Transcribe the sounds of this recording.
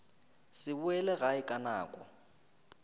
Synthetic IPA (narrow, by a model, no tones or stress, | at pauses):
sɪbuɛlɛɣaɪkʼana̰ːkʼɔ̰